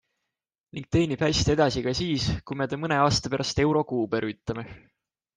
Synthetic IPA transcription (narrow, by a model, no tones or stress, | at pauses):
niŋɡ̥̚t̪e̞ːnib̥hæjst̪e̞d̪̥ɑsikɑsiːskujme̞t̪ɑmɤne̞ɑːst̪ɑpeɾɑst̪e̞wɾo̞kuːb̥e̞ɾyːt̪ːˑlɑme̞